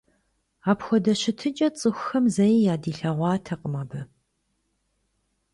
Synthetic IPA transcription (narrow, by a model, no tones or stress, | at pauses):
aːpxʷɔdɐɕɪtʰɨt͡ʃʼɐt͡sʼɨxʷxɐmzɐjjaːdiːɬɐʁʷɑːtʰɐqʼəmɐbɨ